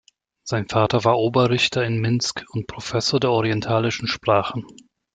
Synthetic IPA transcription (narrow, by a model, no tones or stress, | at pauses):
z̥aɪnfaːtɐvaːɐʔoːbɐʁɪçtʰɐɪnmɪnskʊntpʁ̥ofɛsoːɐdeːɐɔʁiɛntʰaːlɪʃn̩ʃpʁ̥aːχən̩